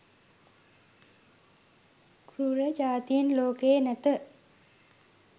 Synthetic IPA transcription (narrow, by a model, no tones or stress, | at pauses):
kɾuɾəd͡ʒaːt̪ijinloːkeːnæt̪ə